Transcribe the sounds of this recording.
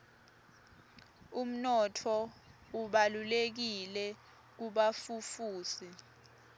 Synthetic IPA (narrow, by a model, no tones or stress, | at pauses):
um̩nɔtʰɔuɓalulek̬ilɛ | k̬uɓafufuːsi